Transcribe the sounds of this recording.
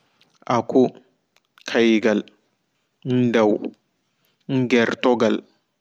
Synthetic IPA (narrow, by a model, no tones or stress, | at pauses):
ʔakɔ | kʰajɡal | ndaw | ŋ̩ɡɛɾtɔɡal